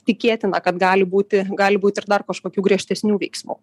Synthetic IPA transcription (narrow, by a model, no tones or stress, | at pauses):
t̪ʲɪkʲeːt̪ʲɪnɐkɐt̪ɡɑːlʲɪbuːt̪ʲɪɡɑːlʲɪbuːt̪ɪɪrd̪ɐrkɐʃkoːkʲuːɡɾʲiɛʃʲt̪ʲɛsʲnʲuːʋʲɛɪksmṵː